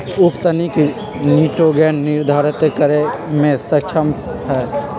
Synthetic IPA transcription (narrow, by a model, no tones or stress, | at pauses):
ʊkt̪əniki | niːʈoɡɛːnːɪɾd̪ʱaːɾət̪jekəɾemẽsət͡ʃʰəmɦɛː